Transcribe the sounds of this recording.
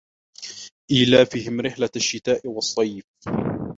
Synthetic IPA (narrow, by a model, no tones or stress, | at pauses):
ʔiːlaːfɪɦɪmɾɪħlaaʃːɪt̪aːʔɪwɑsˤːɑjf